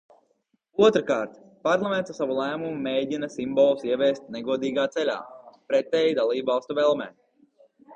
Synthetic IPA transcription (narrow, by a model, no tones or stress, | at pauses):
uɔt̪ɾkaːɾt̪ | paɾlˠamɛnt̪asaʋulˠæːmumumeːɟinasimbɔlˠusiɛvʲɛːst̪̚nɛɡuɔd̪iːɡaːt̪sɛlʲa̰ːpɾɛt̪ɛːjid̪alˠiːbvɑlˠst̪uvɛlˠmɛ̰ː